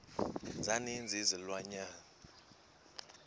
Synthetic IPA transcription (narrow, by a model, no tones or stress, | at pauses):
nd͡zʱanind͡zʱizilwaɲaːna